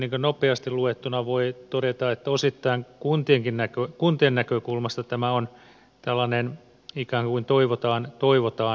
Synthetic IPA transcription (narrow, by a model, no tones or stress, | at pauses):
niːŋkønopeɑst̪illuet̪ːunɑʋoit̪odet̪ɑet̪ːæosit̪ːɑiŋkunt̪ieŋkinnækøkunt̪iennækøkulmɑst̪ɑt̪æmæon | t̪ælːɑnen | ikæːŋkkuint̪oiʋot̪ɑːnt̪oiʋot̪ɑː